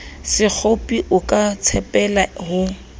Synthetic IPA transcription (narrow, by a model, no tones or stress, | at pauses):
sɪk͡xʰopʼiʔʊkʼat͡sʰɛpʼɛlahʊ